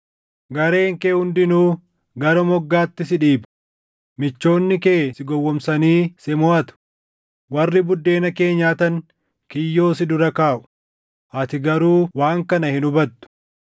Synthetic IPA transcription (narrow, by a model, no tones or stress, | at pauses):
ɡɐɾe̞ːŋkeːhʊnd̪ɪnuː | ɡɐɾɔmɔɡːaːt̪ːɪsɪᶑiːb | mɪt͡ʃːo̞ːnːɪkeːsɪɡɔwːɔmsɐniːsɛmɔʔɐt̪ʊ̥ | wɐrːɪbʊd̪ːe̞ːnɐke̞ːɲːaːt̪ɐŋ | kɪjːo̞ːsɪd̪ʊɾɐkaːʔʊ̥ | ʔɐt̪ɪɡɐɾuːwaːŋkɐnɐhɪnʊbɐt̪ːʊ̥